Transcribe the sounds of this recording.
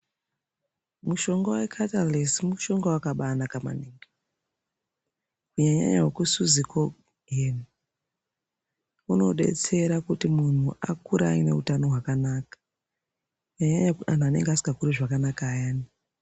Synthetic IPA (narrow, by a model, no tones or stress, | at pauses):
muʃo̞ŋɡowe̞kʰatalesimuʃo̞ŋɡowakaɓanakama̰niŋɡe | kuɲaɲa̰ɲa̰ɦwekusuziko | ɡeni | uno̞̰ɓe̞̰t͡se̞ɾakutimun̤uʔakuɾa̰ine̞̰utano̞ɦwakanaːkḁ | kuɲaɲaɲaan̤uane̞̰ŋɡeasi̥ŋɡakuɾiʐakanakaːjaːni